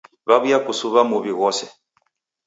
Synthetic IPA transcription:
βaβujakusuβamuβiɣɔsɛ

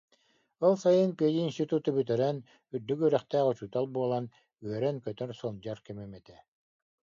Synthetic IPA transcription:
ɔlˠsajɯnpiɛjiːnst̪it̪ut̪ɯbyt̪ɛɾɛn | yɾd̪ykyːɾœχt̪æːʁut͡ɕut̪alˠbuɔlˠan | yœɾɛnkœt̪œɾsɔnd͡ʑaɾkɛmɛmɛt̪ɛ

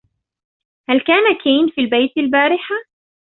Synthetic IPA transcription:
halkaːnakʰiːnfiːlbejt̪albaːɾɪħa

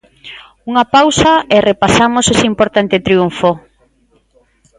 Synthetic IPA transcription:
uŋɐpawsaerepasamosesimpoɾt̪ant̪et̪ɾiuɱfo

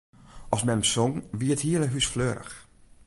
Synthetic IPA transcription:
ʔɔsmɛnəmsɔŋʋiəthiələɦysfløːɾə̰x

